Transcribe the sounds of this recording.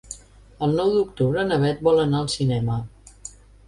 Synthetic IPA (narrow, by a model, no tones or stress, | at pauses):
əlˠnɔwd̪ukt̪uβɾənəβɛt̪̚bɔlˠənaəlˠsinɛmə